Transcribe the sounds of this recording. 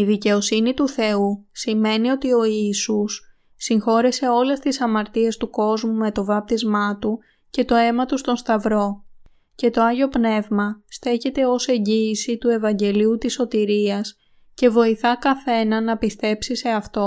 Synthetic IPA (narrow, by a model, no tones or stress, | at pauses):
iðice̞o̞sinit̪uθe̞usime̞nio̞t̪io̞iːsusː | iŋxo̞ɾese̞o̞le̞st̪isɐmɐɾt̪ie̞st̪uko̞zmume̞t̪o̞vɐp̚t̪izmɐt̪u | ce̞t̪o̞e̞mɐt̪ust̪o̞nst̪ɐvɾo̞ | ce̞t̪o̞ɐʝo̞pne̞vmɐst̪e̞çe̞t̪e̞o̞se̞ɲɟiːsit̪ue̞vɐɲɟe̞liut̪iso̞t̪iɾiɐs | ce̞vo̞iθɐkɐθe̞nɐnɐpist̪e̞psise̞ɐft̪o̞